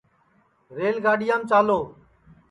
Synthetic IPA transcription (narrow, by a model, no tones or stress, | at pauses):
ɾeːlɡaːɖɪjãːmt͡ʃaːloː